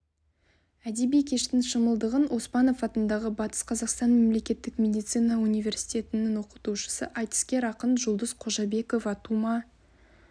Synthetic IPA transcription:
æd̪ebijkʲʰe̞ʃt̪ɪŋʃəməlˠd̪əʁənʔo̞spɑno̞fɑt̪ənd̪ɑʁəbɑt̪ə̥sqʰɑzɑqst̪ɑnme̞mle̞kʲe̞t̪ːɪkmʲe̞d̪ijt̪sijnɑunijvʲe̞rsi̥jt̪ʲe̞t̪ɪnɪŋwo̞qə̥t̪uʃə̥sə̰ʔɑjt̪ə̥skʲe̞ɾɑqənʒʊlˠd̪əsqʰo̞ʒɑbe̞ko̞fɑt̪umɑ

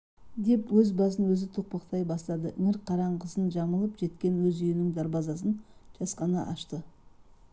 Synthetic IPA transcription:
d̪e̞pwɵzbɑzənwɵzɪt̪ʰoq̚pɑqt̪ɑjbɑst̪ɑd̪əʔɪŋɪɾqʰɑɾɑɴqʰəzənʒɑməlˠəpʒ̥e̞t̪kʲe̞nwɵzʏjɪnɪŋd̪ɑɾbɑzɑs̬ənʒ̥ɑsqɑnɑʔɑʃt̪ə

